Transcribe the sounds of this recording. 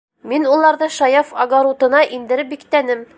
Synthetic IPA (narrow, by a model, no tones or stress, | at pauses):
minulˠɑɾðɤʃɑjɑfɐɡoɾut̪ɤ̆nɑʔind̪ɘ̆ɾɘp̚bikt̪ænɘm